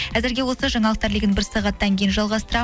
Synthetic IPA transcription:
æzɪɾɡʲe̞wo̞lsəʒɑɴɑlˠəq̚t̪ɑɾlɪɡʲɪnbɪɾsɑʁɑt̪ːɑŋkʲʰe̞jɪnʒɑlˠʁɑst̪əɾɑ

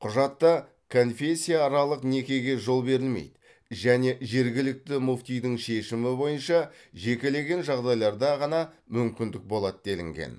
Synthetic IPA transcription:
qʰʊʒɑt̪ːɑ | kʰo̞nfe̞sʲːijaːɾɑlˠəqne̞kʲe̞ɡʲe̞ʒo̞lˠbe̞ɾɪlmḛjd̪ɪ | ʒæne̞ʒe̞ɾɡʲɪlɪk̚t̪ɪmuft̪ijd̪ɪŋʃe̞ʃɪmɪbo̞jənʃɑ | ʒe̞kʲe̞le̞ɡʲe̞nʒɑʁd̪ɑjlˠɑɾd̪ɑʁɑnɑmʏmkʲɪnd̪ɪk̚bo̞lˠɑt̪̚d̪e̞lɪ̰ŋɡʲḛn

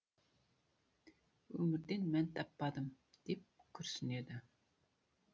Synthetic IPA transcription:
ɵmɪɾd̪enmɛnt̪ʰɑpːɑd̪ɨm | d̪̥ep̚kʲʰøɾsyned̪ɪ

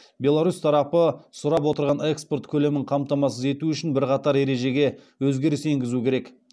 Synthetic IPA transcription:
bʲe̞lˠaɾust̪ʰɑɾɑpəsʊɾɑp̬wo̞t̪əɾʁɑnekspo̞rt̪kʲʰɵle̞mɪɴqʰɑmt̪ɑmɑs̬əze̞t̪uʏʃɪnbɪɾqɑt̪ɑɾe̞ɾe̞ʒe̞ɡʲe̞ | wɵzɡʲe̞ɾɪse̞ŋɡʲɪzukʲʰe̞ɾe̞k

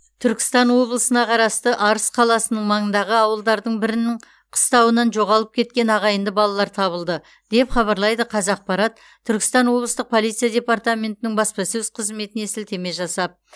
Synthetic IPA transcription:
t̪ʰʏɾkʲɪ̥st̪ɑnwo̞blˠəsənɑqʰɑɾɑst̪əʔɑɾəsqʰɑlˠɑsənəɴmɑɴənd̪ɑʁəɑwəlˠd̪ɑɾd̪əɴbɪɾɪnɪɴ | qʰə̥st̪ɑwənɑnʒo̞ʁɑlˠəp̚kʲʰe̞t̪̚kʲe̞nɑʁɑjənd̪əbɑlˠɑlˠɑɾt̪ʰɑβəlˠd̪ə | d̪̥e̞pχɑβɑɾlˠɑjd̪əqʰɑzɑq̚pɑɾɑt̪ʰːʏɾkʲɪ̥st̪ɑnwo̞bləst̪əq̚pʰo̞lˠit̪sɨjad̪ʲe̞part̪amʲe̞nt̪ɪnɪŋbɑspɑsɵzqʰəzme̞t̪ɪnesɪlt̪ʰe̞me̞ʒɑsɑp̚

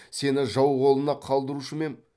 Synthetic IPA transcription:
se̞nɪʒɑwʁo̞lˠənɑqʰɑlˠd̪əɾuʃəme̞n

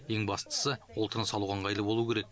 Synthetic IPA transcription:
eŋbɑst̪ə̥səwolˠt̪ʰəɾnəsɑlˠuʁɑɴʁɑjlˠəbo̞lˠukʲʰeɾe̞k̚

